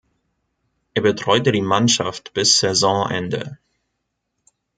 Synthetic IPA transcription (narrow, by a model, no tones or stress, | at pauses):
ʔeːɐbətʁ̥ɔʏtədiːmanʃaftb̥ɪsz̥ɛzɔ̃ʔɛ̰ndə̰